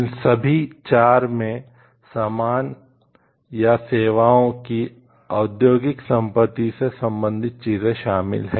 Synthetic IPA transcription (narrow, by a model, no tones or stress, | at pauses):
ɪnsɐbʱit͡ʃaːɾmẽ | saːmaːn | jaseːʋaːõki | aːd̪joːɡɪksɐ̃mpət̪ːisesɐ̃mbə̃nd̪ʱɪt̪̚t͡ʃiːzẽʃaːmɪ̰lɦɛ̃